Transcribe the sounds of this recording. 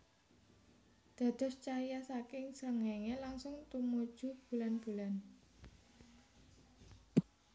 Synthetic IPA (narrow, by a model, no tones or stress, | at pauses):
d̪̥ä̤d̪̥ɔ̤st͡ʃajasakɪŋsəŋɛŋelaŋsʊŋt̪umud̥ʒ̥ṳb̥ṳlanb̥ṳlan